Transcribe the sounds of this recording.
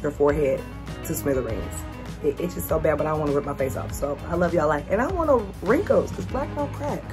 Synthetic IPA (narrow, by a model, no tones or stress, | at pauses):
ə˞fɔɹɦɛd̚ | tʰɨsmɪðəɹḛ̃ɪ̃nz̥ | ɪʔɪtd̥ʒ̥ʌstsoʊbæd̚bʌɾaɪdõwɑ̃nəɹɪp̚maɪfeɪsʌ̰fsoʊa̰ɪlʌvjə˞laɪfɨ̃naɪwɑnə | ɹɪ̃ŋkoʊz̥kʰʌzblæk̚ɹ̥õʊ̃kʰɹ̥æt̚